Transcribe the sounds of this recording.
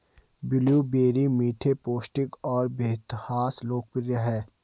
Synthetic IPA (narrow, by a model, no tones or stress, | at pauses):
bɪljubeːɾimiːʈʰepoːsʈɪkɔːɾbɪɪt̪ɪhaːsloːk̚pɪɾjaɦɛː